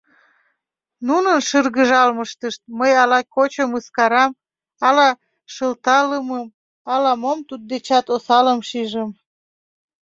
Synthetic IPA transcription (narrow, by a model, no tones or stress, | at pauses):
nunənʃərɣəʒɑlməʃt̪əʃt̪̚məjɑlɑkot͡ɕəməskɑɾɑm | ɑlɑ | ʃəlt̪ɑləməm | ɑlɑmomt̪ud̪̚d̪et͡ɕɑt̪osɑləmʃiʒəm